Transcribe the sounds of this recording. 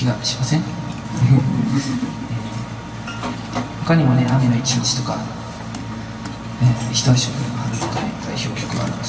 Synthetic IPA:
kʲiɡaɕi̥masẽŋ | ɯ̃ | eː | ho̞kaɲ̟imo̞ne̞ameno̞it͡ɕiɲit͡ɕi̥t̪o̞ka | eːçʲi̥t̪oaɕokɯaɾɯt̪ok̪aned̪aiço̞ːkʲo̞̥kɯ̟ɡa̰ɾɯ̰

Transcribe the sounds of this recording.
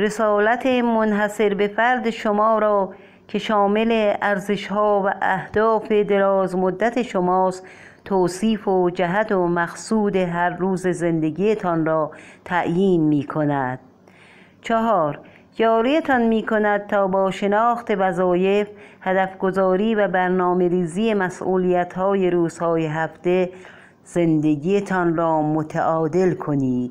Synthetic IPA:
ɾe̞sɒːlæt̪ʰemonɦæse̞ɾbefæɾd̪eʃomɒːɾɒː | kʰe̞ʃɒːmeleæɾzeʃɦɒːvæʔæhd̪̥ɒːfed̪e̞ɾɒːzmod̪ːæt̪ʰeʃomɒːs | t̪ʰoːsiːfod͡ʒæɦæt̪omæxsuːd̪eɦæɾːuːzeze̞nd̪eɡijet̪ʰɒnɾɒːt̪ʰæʔjiːnmiːkʰonæd̪̥̚ | t͡ʃʰɒɦɒːɾ | jɒːɾijet̪ʰɒnmiːkʰo̞næd̪̚t̪ʰɒːbɒːʃe̞nɒːxt̪e̞væzɒːje̞fhæd̪æfɡozɒːɾiːvæbæɾnɒːme̞ɾiːzije̞mæsʔuːlijæt̪hɒːje̞ɾuːz̥hɒːjeɦæft̪e̞ | z̥e̞nd̪eɡijet̪ʰɒnɾɒːmot̪ʰaʔɒːd̪elkʰoniːd̪̥

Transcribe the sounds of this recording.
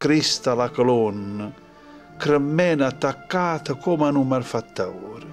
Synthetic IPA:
kɾist̪alakolɔnːə | kɾəmːɛnat̪ːakːaːt̪əkʰɔmanumalfat̪ːawɾ

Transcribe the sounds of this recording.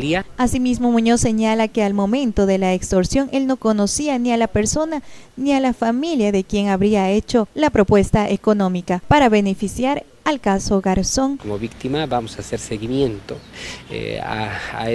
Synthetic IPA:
liaasimizmo̞mũɲo̞se̞ɲalake̞almo̞mẽ̞nt̪o̞ðe̞laekst̪o̞ɾsjoŋʔe̞lno̞ko̞no̞sianialape̞ɾso̞nanialafamiljaðe̞kje̞ŋaβɾiae̞t͡ʃo̞lapɾo̞pwe̞st̪aʔeko̞nõ̞mikapaɾaβe̞ne̞fisjaɾ | alkaso̞ɣaɾso̞ŋkomoβik̚t̪imabamosaseɾseɣimjent̪o̰ | a̰

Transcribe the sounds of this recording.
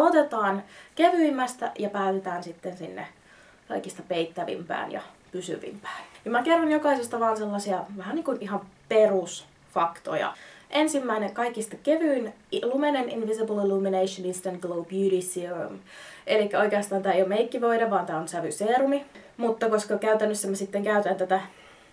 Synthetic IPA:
ot̪et̪ɑːnkeʋyimːæst̪æ̰jɑpæyt̪et̪æːnsit̪ːensinːḛ | kɑ̰ikist̪ɑpeit̪ːæʋḭmpæ̰ːnjɑ̰pysy̰ʋḭmpæ̥ːnjɑmækerːɑnjokɑisest̪ɑʋɑːnselːɑsiɑʋæhæniːŋkunihɑmperus | fɑkt̪o̰jɑ̰ʔensimːæineŋkɑikist̪ɑkeʋyin | ilumeneninʋiseblilumineiʃoninst̪ænɡ̥loubjuɾisiṵm | ʔelikːæoikeɑst̪ɑːnt̪æːejomeikːiʋoiɾɑʋʋɑːnt̪æːonsæʋyseːrumimut̪ːɑkoskɑkæyt̪ænːøsːæmæsit̪ːeŋkæyt̪ænt̪æt̪æ

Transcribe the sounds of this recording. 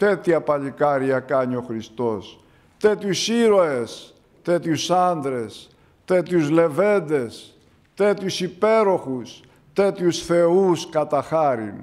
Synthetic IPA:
t̪et̪iɐpɐʎikɐɾiɐkɐɲio̞xɾist̪o̞s | t̪et̪jusiɾo̞e̞s | t̪et̪usɐnd̪ɾe̞s | t̪et̪juzle̞ve̞nd̪e̞s | t̪et̪çusipe̞ɾo̞xus | t̪et̪usθe̞uskɐt̪ɐxɐɾḭn

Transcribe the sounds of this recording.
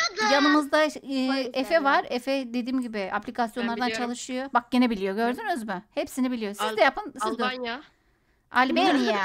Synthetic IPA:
d͡ʒamɯmɯzd̪aɯːefɛvaɾefɛd̪ed̪iːmɟibɪa̰plʲikʰasjo̞nlˠaɾd̪ant͡ʃʰalˠɯʃɯjobak̚ɟenɛbilʲijo̞ɟø̞ɾd̪ynyzmyhepsinibilʲijo̞sizd̪ɛjapɯnsizd̪ | a̰lʲbenijɛ

